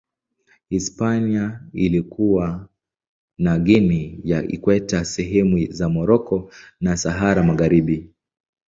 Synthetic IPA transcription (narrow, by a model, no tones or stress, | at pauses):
hispaniailikuwa | naɠinijaḭkwɛtasɛɦɛmuzamɔɾɔkɔnasaɦaɾamaɣaɾiɓi